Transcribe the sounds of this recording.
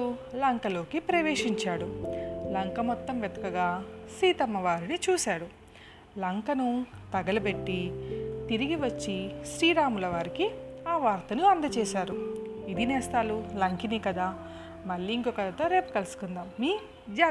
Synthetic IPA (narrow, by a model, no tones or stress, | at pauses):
ulɐŋkɐlo̞ːkipɾɐʋeːʂiɲt͡ʃaːɽulɐŋkɐmɔt̪ːɐmʋɐt̪ɐ̥kɐɡaːsɾiːt̪ɐmːɐʋaːɾinit͡ʃuːsaːɽu | lɐŋkɐnut̪ɐɡɐlɐpe̞ʈːit̪iɾiɡiʋɐt͡ʃːiʃɾiːɾaːmulɐʋaːɾikiaːʋaːɾt̪ɐnuɐnd̪ɐt͡ʃɛːʃaːɾuid̪inɛːst̪aːlulɐŋkiniːkɐd̪aː | mɐlːiːŋkoːkɐd̪ɐt̪oːɾe̞ːpu̥kɐlɐsu̥kund̪aːmmiː | d͡ʒaː